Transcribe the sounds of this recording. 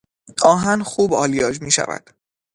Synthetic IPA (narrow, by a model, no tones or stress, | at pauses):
ɒːɦænxuːbɒːlijɒːd͡ʒmiːʃæ̰væ̰d̪̥